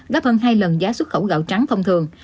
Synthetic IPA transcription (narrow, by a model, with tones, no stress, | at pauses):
ɣaː˦˥p̚həː˧nɦaː˧jlə˨˩nzaː˨˦swə˦˥t̚xə˧˩wɣa̰ː˧˨wt͡ɕa˨˦ŋfə˧wŋ͡mt̪ʰɨ˨˩əŋ